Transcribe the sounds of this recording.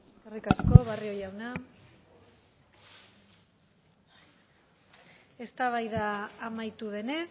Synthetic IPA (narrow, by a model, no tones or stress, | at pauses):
erikasko̞βario̞jawna | e̞st̪aβ̞ajðaːmajt̪uðe̞ne̞s